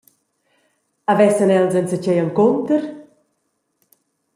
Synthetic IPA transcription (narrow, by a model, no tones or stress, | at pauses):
avɛsənɛlzənsət͡ɕɛjəŋkɔnt̪əɾ